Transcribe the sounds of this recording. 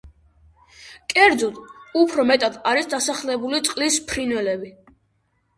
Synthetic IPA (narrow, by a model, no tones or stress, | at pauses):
kʼɛɾd̪zɔt̪upʰɾɔmɛt̪ʼad̪aɾisd̪asaχlɛbulit̪sʼqʼlispʰɾinwɛlɛbi